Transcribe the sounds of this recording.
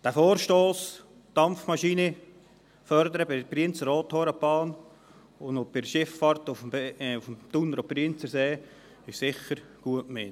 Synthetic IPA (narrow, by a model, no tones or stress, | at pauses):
d̥æfoːɾʃtoːs | d̥ɑmfmɑʃiːnə | fœɾd̪əɾəbɪpɾiənt͡səɾoːt̪hoːɾəpɑːn | ʊndobɪɾʃɪffɑɾt̪ʊfmʊfmt̪unəɾopɾiənt͡səseː | ɪʃsɪχəɾɡ̥uətmɪ